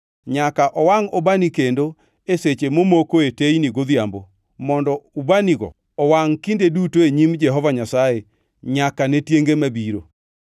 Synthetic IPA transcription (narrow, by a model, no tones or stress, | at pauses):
ɲakaʔɔwaŋɔbanikendo | eset͡ʃemomokoetejniɡoðjambo | mɔndɔubaniɡɔ̰ | ɔwaŋkindedutoeɲimd͡ʒɛɦɔvaɲasaje | ɲakanetjeŋɡemabiɾo